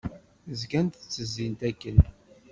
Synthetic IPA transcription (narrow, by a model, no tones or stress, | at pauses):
zɡænt̪t͡sːəzːint̪ækːən